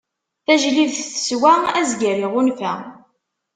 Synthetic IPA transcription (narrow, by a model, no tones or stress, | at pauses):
θæʒliðθθə̥swææzɡəɾiʁunfæ